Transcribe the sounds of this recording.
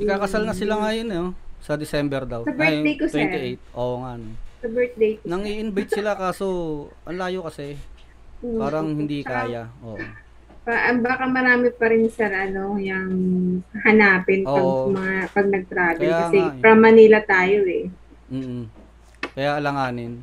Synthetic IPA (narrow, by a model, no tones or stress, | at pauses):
ɪkːaːkɐsalnɐsɪlaŋajonosɐd̪ɪsɛmbɛɾd̪ɐwsɐbɛd̪ejkoswɛt̪ɪʔejt̪̚ʔoːʔoŋanosɐbɛɹt̪̚d̪ejknɐŋhiːʔɪnbɐjt̪ssɪlakaːsoʔɐnlaːjokɐsɛ | paːɾɐŋhɪnd̪ikaːjaʔoːʔ | paʔɐmbaːkɐmɐɾaːmɪpɐɾɪnsɛɾʔɐno̞jɐŋhɐnaːpɪnʔoɐoɐmɐŋapɐɡ̚nɐɡ̚t̪ɾaːd̪kɐjakɐŋɛɾɐmːɐniːlɐt̪aːjo̞ʔɛ | m̩ː | kɐjaʔɐlɐŋaːnɪn